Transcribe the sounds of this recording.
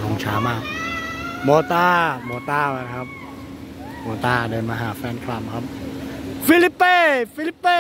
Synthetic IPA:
ɔ˨˦ŋt͡ɕʰaː˨˦maː˥˩k̚ | moː˧t̪aː˥˩moː˧t̪aː˥˩waː˧˩kʰa˦˥p̚ | moː˧t̪aː˧˩dɤː˧nma˧ɦaː˨˩˦fɛː˧˥˨nkʰɾa˧˩˨mkʰa˦˥p̚fi˧˥li˦˥pːeː˥˩fi˧li˦˥pːe˥

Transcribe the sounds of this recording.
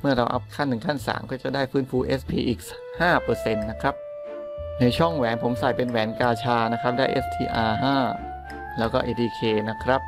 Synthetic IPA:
mɯ˥˩ɐɾa˧wʔa̰˦˥p̚kʰa˥˩nːɯ˨˩ŋk̪ʰa˥˩nsa̰ː˩˦mkɔː˥˩t͡ɕa˨˩daː˥˩jfɯː˦˥˩nfuː˧˩ʔe˦˥spʰiː˧ʔiː˨˩k̚s | haː˥˩pɤː˧se˧nːa˦˥kʰɾa˦˥p̚ | na˧jt͡ɕʰɔ˥˩ŋwɛː˩˦npʰo˩˦msa˨˩jpe˧nwɛː˩˦nkaː˧t͡ɕʰaː˧na˦˥kʰɾa˦˥p̚daː˥˩jʔḛ˦˥st̪ʰḭː˧ʔaː˧ɦaː˥˩ | lɛː˦˥wkɔː˥˩ʔeː˧dʰiː˧kʰeː˧na˦˥kʰɾa˦˥p̚

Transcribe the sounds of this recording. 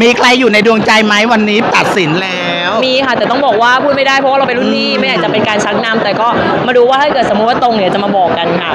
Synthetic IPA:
miː˧kʰla˧jːuː˨˩na˧jdu˧əŋt͡ɕa˧jma˦˥jwa˧nːiː˦˥t̪a˨˩t̪̚si˩˦nlɛː˦˥˦wmiː˧kʰa˥˩t̪ɛː˨˩t̪ɔ˥˩bɔː˨˩k̚waː˥˩pʰuː˥˩t̪̚ma˥˩daː˥˩jpʰɔ˦wa˥˩ɾa˧pe˧ɾu˥˩t̪ʰiː˥˩ma˥˩jaː˨˩t͡ɕa˨˩pe˧nkaː˧nt͡ɕʰa˦˥k̚naː˦˥mt̪ɛː˨˩kɔː˥˩ | maː˧ɾuː˦˥waː˥˩hʰa˥˩jkɤ˨˩t̪̚smuː˦˥˩t̚waː˥˩t̪o˧ŋni˧˦˥t͡ɕa˨˩maː˧bɔː˨˩kːa˧nkʰa˦˥˩

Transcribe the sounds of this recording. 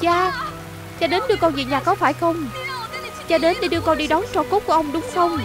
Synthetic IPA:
t͡ɕaː˧ | t͡ɕɔ˧ɗe˨˦nɗɨ˧əkɔ˧nvḭ˧˨ɲaː˨˩kɔ˨˦faː˧˩jxə˧wŋ͡m | t͡ɕɔ˧ɗe˨˦nɗi˧˩ɗɨ˧kɔ˧nɗi˧ɗɔ˨˦nt͡ɕɔ˧˩ko˦˥t̚ku˧˩əʔə˧wŋ͡mɗʊ˨˦ŋ͡mxə˧wŋ͡m

